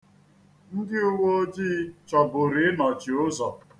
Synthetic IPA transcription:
n̩˦dɪ˦ʊ˦wo˦d͡ʒiː˦t͡ʃɔ˨bʊ˨ɾi˨˦nɔ˨t͡ʃi˨ʊ˦zɔ˨

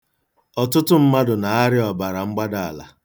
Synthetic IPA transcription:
ɔ˨tʊ˦tʊ˦m̩˦ma˦dʊ˨na˨a˦ɾɪ˦ɔ˨ba˨ɾa˨ŋ͡m̩˦ɡ͡ba˦da˨a˨la̰˨

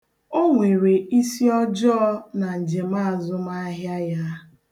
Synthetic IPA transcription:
o˦ŋʷe˨ɾe˨ʔi˦si˦ɔ˦d͡ʒɔː˦na˨n̩˨d͡ʒe˨ma˦a˨zʊ˦ma˦a˦ɦja˦ja˦

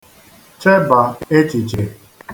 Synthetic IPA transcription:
t͡ʃe˦ba˨e˦t͡ʃi˨t͡ʃe˨

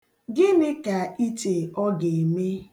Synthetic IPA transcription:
ɡɪ˦mɪ˦ka˨i˦te˨ɔ˦ɡe˨me˦

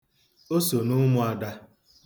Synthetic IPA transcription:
o˦so˨nʊ˦mʊ˦a˨da˦

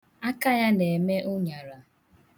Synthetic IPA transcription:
a˦ka˦ja˦ne˨me˦ʔʊ˦ɲa˨ɾa˨

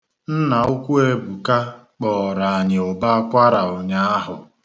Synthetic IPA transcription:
n̩˦na˨ʊ˦kʷu˦e˦bu˨ka˦ | k͡pɔ˨ɾa˨a˨ɲɪ˨o˨ba˦kʷa˦ɾa˨o˨ɲa˦a˦ɦʊ˨

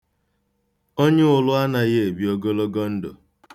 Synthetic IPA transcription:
o˦ɲe˦ʊ˨lʊ˦a˦na˨ɣe˦e˨bi˨o˦ɡo˦lo˦ɡɔ˦n̩˦do̰˨

